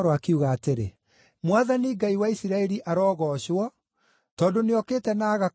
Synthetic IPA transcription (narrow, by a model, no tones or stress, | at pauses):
ɾoakiuɣaːteɾḛ | mwaðaniɡaiwaisiɾaɛɾiʔaɾɔːɣɔːɕwɔ | tɔːndoneɔkeːtɛnaːɣa